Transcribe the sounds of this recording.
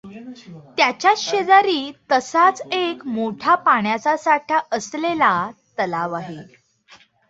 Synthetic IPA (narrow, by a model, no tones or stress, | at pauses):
t̪jat͡ɕjaɕed͡zaɾiːt̪əsat͡sekmoʈʰapaɳjat͡sasaʈʰjaʔəslelat̪əlaʋaɦe